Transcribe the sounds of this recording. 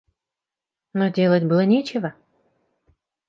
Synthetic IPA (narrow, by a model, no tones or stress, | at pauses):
nodʲelˠətʲbɨlˠənʲet͡ɕɪvə